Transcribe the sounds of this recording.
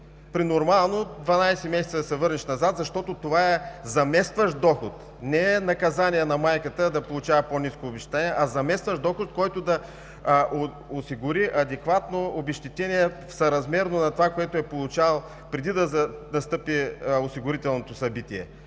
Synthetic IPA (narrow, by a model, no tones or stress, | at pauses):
pɾinoɾmalˠnod̪vɐnajsɛmɛsɛt̪sd̪ɐsɛvɤɾnɛʃnɐzat̪zɐʃt̪ɔt̪ot̪ovaɛzɐmɛst̪vɐʃd̪ɔxʊt̪ | nɛɛnɐkɐzanʲiɛnɐmajkət̪əd̪ɐpolˠut͡ʃavɐponiskoːbɛʃt̪i̥t̪ɛniɛʔɐzɐmɛst̪vəʃd̪ɔxʊt̪̚kɔjt̪ʊd̪ɐ | osiɡʊɾiʔɐd̪ɛkvat̪noobɛʃt̪it̪ɛniɛfsɐɾɐzmɛɾnonɐt̪ovakoɛt̪oɛpolˠut͡ʃalˠ | pɾɛd̪id̪ɐnɐst̪ɤpiosiɡʊɾit̪ɛlˠnot̪osɐbit̪iɛ̰